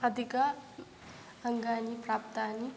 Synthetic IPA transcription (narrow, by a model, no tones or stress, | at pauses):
ʌd̪ʱika | əŋɡaniprap̚t̪ani